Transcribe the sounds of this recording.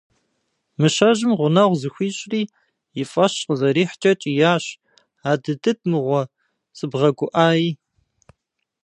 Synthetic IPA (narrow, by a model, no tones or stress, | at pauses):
mɨʃɐʒɪmʁʷʊnɐʁʷzɨxʷiːɕʼriː | jɪfʼɐɕqəzɐɾiːħt͡ʃʼɐt͡ʃʼijaːɕ | aːdɨdɨt̚mɨʁʷɔ | sʼɨbʁɐɡʷʊʔaːji